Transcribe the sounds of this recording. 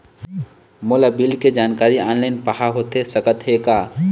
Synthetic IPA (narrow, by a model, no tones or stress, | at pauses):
moːlabɪlked͡ʒaːnkaːɾiaːnlaɪnpəɦaɦoːt̪esəkət̪ɦekaː